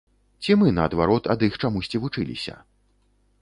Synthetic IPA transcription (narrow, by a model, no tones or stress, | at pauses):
t͡sʲimɨnɐːd̪vaɾɔt̪ɐd̪ixt͡ʂamusʲt͡sʲivut͡ʂɨlʲḭsʲɐ̰